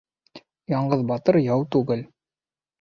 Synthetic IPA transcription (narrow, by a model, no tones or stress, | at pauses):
jɑɴɢɤðbɑt̪ɤɾjɑwt̪ʉɡɘl